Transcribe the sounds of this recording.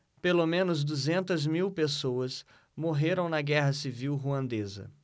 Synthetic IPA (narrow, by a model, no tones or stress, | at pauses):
pelomẽnʊzd̪uzẽnt̪ɐzmiwpesowɐs | moɦeɾɐ̃w̃nɐɡɛɦɐsiviwɦuɐ̃nd̪ezɐ̰